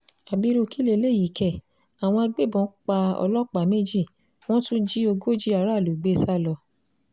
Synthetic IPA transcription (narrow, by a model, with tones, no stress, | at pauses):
a˨bi˨˦ɾo˧ki˦le˦˧˨le˦˨ji˨kɛ˨ | a˨w̃ɔ̃˧a˧ɡ͡be˦˨bɔ̃˨˦k͡pa˧ɔ̰˧lɔ˦k͡pa˨me˦d͡ʒi˦˨ | w̃ɔ̃˦tũ˦d͡ʒi˦o˧ɡo˦d͡ʒi˦a˨˦ɾa˦˨lo˨ɡ͡be˦sa˦˨lɔ˧